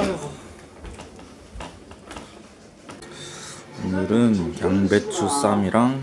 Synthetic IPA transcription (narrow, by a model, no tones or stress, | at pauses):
onɯɾɯnjjaŋbet̚t͡ɕʰus͈amiɾʔaŋ